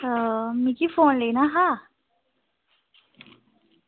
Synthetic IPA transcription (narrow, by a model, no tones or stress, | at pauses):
əmiːkifonlenaɦa